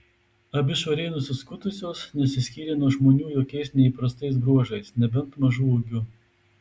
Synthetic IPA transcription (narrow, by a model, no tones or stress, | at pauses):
ɐbʲɪʃʋɐɾʲɛɪnʊsʲɪskʊt̪ʊsʲoːsnʲɛsʲɪsʲkʲiːɾʲenuɔʒmoːnʲuːjoːkʲɛɪsnʲɛiˑpɾɐst̪ɐɪs̬bɾuɔʒɐɪsnʲɛbʲɛnˑt̪mɐʒuːuɡʲʊ